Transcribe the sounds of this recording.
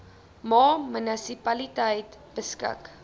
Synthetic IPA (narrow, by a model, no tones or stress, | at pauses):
mɑːmənəsipɐlitəjtb̥əskə̰k